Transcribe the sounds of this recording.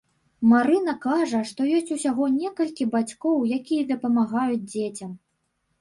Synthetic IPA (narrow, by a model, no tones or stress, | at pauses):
maɾɨn̪ɐkaʐɐʂt̪ɔjɔsʲt͡sʲusʲaɣɔnʲɛkɐlʲkʲibat͡sʲkɔwjakʲijɐd̪ɐpɐmaɣajud͡zʲd͡zʲet͡sʲɐm